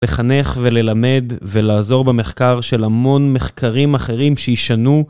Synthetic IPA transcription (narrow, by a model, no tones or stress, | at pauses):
le̞χane̞χve̞le̞lame̞d̪velaːzo̞ʁbeme̞χkaʁʃe̞lamo̞nme̞χkʰaʁimaχe̞ʁimʃejiʃanu